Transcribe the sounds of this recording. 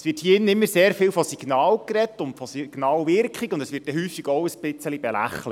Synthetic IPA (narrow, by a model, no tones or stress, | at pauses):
sʋɪːthiɪnənɪmːəɾseːɾfɪːlfɔsiɡ̥nɑːlkrɛtːʊntfɔsiɡ̥nɑːlʋɪɾkχikʊndəsʋɪːt̚ːɛɦyːfiɡɔwəsbɪt͡səlibɛlæ̰χlət